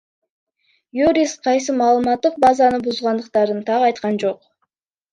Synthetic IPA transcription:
juɾʲisqʰɑjsɯmɑːlˠəmɑt̪ːɯq̚bazɑnɯbuzʁɑnd̪əq̚t̪ɑɾɯnt̪ʰɑʁɑjt̪qɑnd͡ʒo̞q

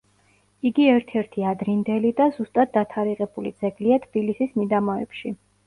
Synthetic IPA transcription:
iɡiɛɾt̪ʰɛɾt̪ʰiad̪ɾind̪ɛlid̪azust̪ʼad̪̚ːat̪ʰaɾiʁɛbulid̪zɛɡliat̪ʰb̥ilisismid̪amɔɛ̰pʃi

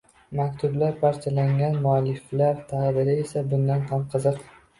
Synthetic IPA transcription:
makʲt̪ʰʊblaɾpʰaɾt͡ʃʰalaŋɡʲanmʊalɪflaɾt̪ʰahd̪ɪɾɪe̞sabʊnd̪anhamqʰɨzɨq

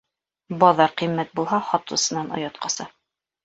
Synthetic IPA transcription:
bɒðɑɾqimːæt̪̚bulˠɦɑχɒt̪ɤ̆sɤ̆nɑnŏ̰jɑt̪qɑsɑ

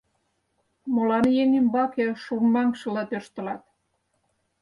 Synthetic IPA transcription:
molɑnjenʲimbɑkeʃummɑŋkʃɤ̆lɑt̪øʃt̪ə̆lɑt̪̚

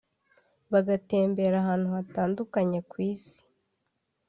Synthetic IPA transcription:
βaɡate̞ːmbe̞ɾaɦaːn̥huataːndukaɲe̞kwiːsi̥

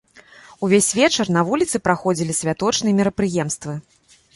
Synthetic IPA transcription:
uvʲesʲvʲɛt͡ʂɐrnɐvulʲit̪sɨpɾaxɔd͡zʲilʲisʲvʲat̪ɔt͡ʂnɨjɛmʲiɾɐpɾɨjɛmst̪vɨ

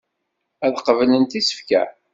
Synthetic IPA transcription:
æðqəvlənt̪isə̥fkæ̰

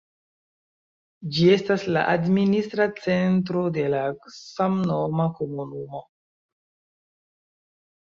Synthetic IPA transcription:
d͡ʒie̞stasla̰ʔadministɾat͡se̞nt̬ɾo̞de̞lasamnomakomunumo̞

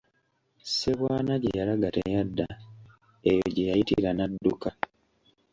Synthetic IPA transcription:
seβwaːnaɟejalaɡatḛjadːa | ejoɟe̞jajitḭɾanadːuka

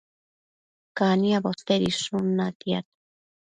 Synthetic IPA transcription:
kaniabost̪eɾisunat̪ia̰t̪

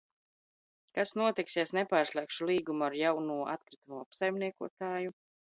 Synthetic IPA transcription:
kasnuɔt̪iksɛsnɛpaːɾslˠɛkʃulˠiːɡumuaɾjawnuɔʔa̰t̪kɾit̪umuɔapsajmniɛkuɔt̪aːju

